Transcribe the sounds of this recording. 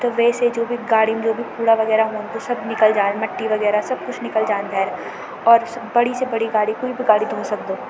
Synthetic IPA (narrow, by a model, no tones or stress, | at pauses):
t̪oʋɛːsed͡ʒoːbʱiɡaːɽimd͡ʒoːbʱipuːɽaʋɐɡɛːɾaɦoːnt̪osɐbnɪkəld͡ʒaːnmɐʈːiʋɐɡɛːɾasɐb̚kʊt͡ʃʰnɪkəld͡ʒaːnb̪ʱɛːɾ | ɔːɾsbɐɽisebɐɽiɡaːɽikoːibʱiɡaːɽid̪ʱoːsɐk̚d̪oː